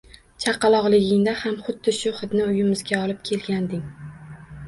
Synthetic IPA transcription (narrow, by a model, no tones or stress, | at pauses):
t͡ʃʰɑqɑlˠɒʁlˠɪɡʲɪŋd̪ahamχʊd̪ːɪʃʊχɨt̪nɪʊjɪmɪzɡʲaɒlˠɪp̚kʲʰe̞lɡʲand̪ɪŋ